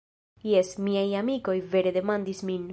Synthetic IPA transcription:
jesmiajamiko̞jve̞ɾe̞d̪e̞mand̪ismin

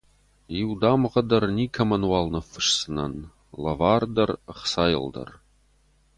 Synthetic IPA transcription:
iwd̪aːmʁɐd̪ɐrniːkʰɐmɐnwaːlnɨfɨ̥ʂsɨnɐ̰n | lɐvaːrd̪ɐrχsaːjɪ̰ld̪ɐ̰r

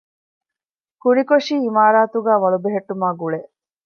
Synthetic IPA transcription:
kunikoʂiːimaːɾaːt̪uɡæːʋɐɭubeɦeʈːumaːɡuɭe

